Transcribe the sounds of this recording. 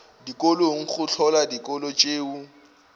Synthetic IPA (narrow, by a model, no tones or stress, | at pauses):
dikʼoloŋ̩χʊt͡ɬʰɔladikʼɔlot͡ʃʼeːʊ